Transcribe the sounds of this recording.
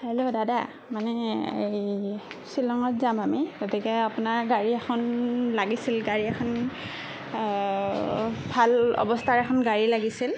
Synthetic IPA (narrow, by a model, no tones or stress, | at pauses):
alɔdada | manɛejsilɔŋɔtzamamiɡɔtikɛapʊnaɹɡaɹiɛxʰɔnlaɡisilɡaɹiɛkʰɔn | bʱalɔ̰bɔstʰaɹɛkʰɔnɡaɹilaɡisil